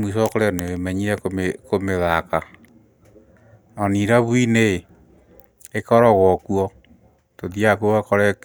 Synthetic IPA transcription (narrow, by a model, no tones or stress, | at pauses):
mwisɔkoɾeɔneemɛɲiɾɛkomekomeðaka | ɔniɾaβwinee | ekɔɾɔɣwɔkuɔ | toðiakuoβakɔɾɛ